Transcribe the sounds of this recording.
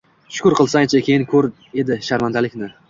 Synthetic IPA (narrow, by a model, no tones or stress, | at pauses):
ʃʊ̥kʊɾqʰɨlˠsaŋet͡ʃʰakʲʰejɪnkʲʰɵɾ | e̞d̪ɪʃaɾmand̪alɪkʲnɪ